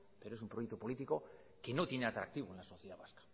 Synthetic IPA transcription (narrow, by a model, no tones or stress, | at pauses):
peɾoesumpɾojek̚t̪opo̞lit̪iko̞ | ke̞no̞t̪jene̞at̪ɾak̚t̪iβ̞oenlaso̞θjeðaβ̞askḁ